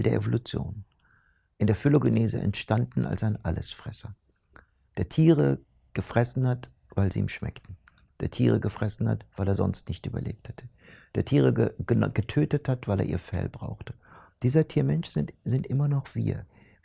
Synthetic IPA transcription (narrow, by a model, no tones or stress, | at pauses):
ldeːɐʔḛvolut͡sjo̰ːn | ʔɪndeːɐfɪloɡəneːzəʔɛ̰ntʃtandn̩ʔa̰lsaɪnʔalə̰sfʁ̥ɛsɐ | d̥eːɐtʰiːʁə | ɡ̥əfʁ̥ɛsn̩hat | vaɪlzḭːiːmʃmɛ̰ktn̩ | d̥eːɐtʰḭːʁ̞əɡəfʁ̥ɛsn̩ha̰tv̥aɪleːɐzɔ̰nstnɪçtʔy̰ːbɐ̰lʔḛːp̚thɛtʰə̥ | d̥eːɐtʰiːʁ̞əə̥ɡ̥ətʰøːtəthatv̥aɪlḛːɐʔiːɐfɛ̰lbʁa̰ʊxtə̥ | d̥iːzɐtʰiːɐmɛnʃz̥ɪz̥ɪntʔɪmɐnɔχv̥iːɐ